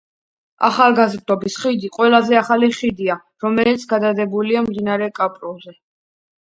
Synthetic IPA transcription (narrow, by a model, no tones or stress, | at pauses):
a̰χalˠɡazɾd̪ɔbisχid̪iqʼwɛlˠazɛaχaliχid̪ia | ɾɔmɛlit̪sʰɡ̥ad̪ad̪ɛbuliamd̪inaɾɛkʼapʼɾɔzɛ